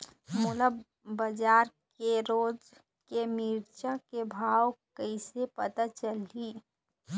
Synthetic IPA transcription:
mʊləb | bəd͡ʒaːɾkeɾoːd͡ʒ | kemiːɾt͡ʃakebʱaːwkəɪsepət̪at͡ʃəliː

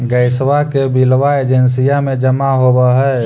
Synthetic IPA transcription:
ɡəɪswakebilʋaed͡ʒənsijamẽd͡ʒəmaɦobaɦɛ

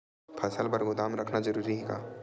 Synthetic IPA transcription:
pʰɐsəlpɐɾɡʊd̪aːmɾɐkʰnazɐɾuːɾiɦɛ̃ːka̰ː

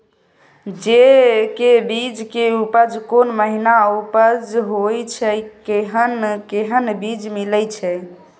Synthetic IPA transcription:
d͡ʒekebid͡ʒkeupəd͡ʒkonməɦinaupəd͡ʒɦojt͡ʃʰɛkeɦənkeɦənbid͡ʒmiləjt͡ʃʰɛ

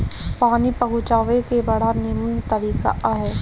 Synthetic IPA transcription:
paːnipɐɦʊt͡ʃaːʋekebɐɽ̤anɪmənt̪ɐɾiːka̰ʔaɦɛː

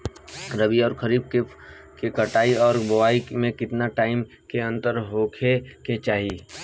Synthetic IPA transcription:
ɾəbiɔːɾkʰəɾiːb̚ke | kekəʈaːiɔːɾbʊʋaːimẽkɪt̪naʈaːɪm | keɐ̃nt̪əɾɦoːkʰeket͡ʃaːɦi

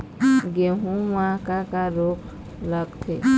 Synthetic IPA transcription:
ɡeɦũwakakaɾok | laɡt̪ʰe

